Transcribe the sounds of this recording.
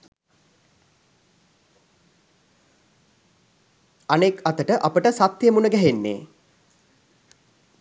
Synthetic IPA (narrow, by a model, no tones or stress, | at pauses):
anekɐt̪əʈəʔapəʈəsat̪jemunəɡæɦenːḛː